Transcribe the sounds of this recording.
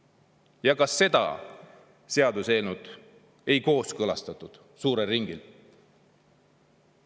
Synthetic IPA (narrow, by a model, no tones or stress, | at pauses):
jɑkɑsːe̞d̪̥ɑ̰ | se̞ɑd̪use̞ːlnud̪̥ | e̞jko̞ːskɤlɑ̰st̪ɑt̪ːˑud̪̥ | suːɾelriŋɡil